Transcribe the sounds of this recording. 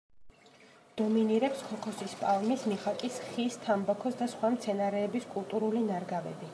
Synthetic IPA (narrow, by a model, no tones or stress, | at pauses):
d̪̥ɔminiɾɛpskʰɔkʰɔsispʼalˠmismiχakʼisχist̪ʰambɔkʰɔsd̪asχwamt̪sʰɛnaɾɛːbiskʼulˠt̪ʼuɾulinaɾɡavɛ̰bi